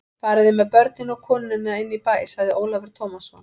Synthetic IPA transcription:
faːɾɪðɪmɛðpœɾt̪̚nɪnɔɣkʰɔːnɪnɪnaɪnːipaːjshaɣðɪʔoːwlavɛɾ̥t̪ʰoːwmasɔn

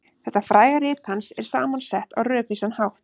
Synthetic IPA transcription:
θɛht̪ːafɾaːjɣaɾɪːt̪hansɛɾ̥saːmansɛht̪a̰wrœːpisanhawht̪

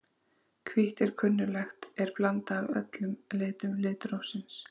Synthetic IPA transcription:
kʰviht̪ɛɾ̥kʰʏnːʏlɛxt̪ɛɾ̥plant̪aːvœ̰t̪lʏmleːt̪ʏmlɪːt̪ɾowsɪns

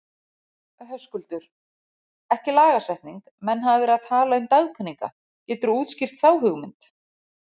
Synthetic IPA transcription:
œɦœskʏlt̪ʏɾ̥ | ɛhcɪlaːɣasɛht̪niŋk | mɛnɦaðɪɾaðt̪ʰaːlaʏmt̪aɣkʰʏnːiŋka̰ | cɛːt̪ʏɾuːt̪scɪr̥t̪θaːwɦʏɣmɪnt̪

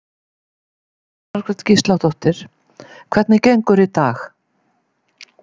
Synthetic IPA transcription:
aɾkʰvɛt̪cist̪lawt̪ʰɔht̪ɪɾ̥ | kʰv̥ɛt̪nɪcejŋkʏɾɪt̪aːx

